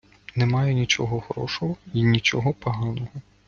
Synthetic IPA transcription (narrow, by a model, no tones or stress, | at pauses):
nɛmɑjɛnʲit͡ʃɔɦɔxɔɾɔ̰ʃɔɦɔinʲit͡ʃɔɦɔpɐɦɑnɔɦɔ